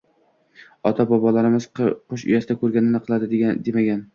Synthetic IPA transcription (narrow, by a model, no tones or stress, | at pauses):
ɒt̪ʰabɒbɒlaɾɪmɪzqʰoʃʊ̰jasɪd̪akʰɵɾɡʲanɪnɪqʰɨlˠad̪ɪd̪d̪emaɡʲan